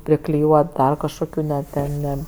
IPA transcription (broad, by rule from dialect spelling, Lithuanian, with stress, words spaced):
pʲrʲɪklʲɪˈjuɔt ˈdɐr kɐʃkoːˈkʲuː nʲɛ ˈtʲɛn ˈnʲɛ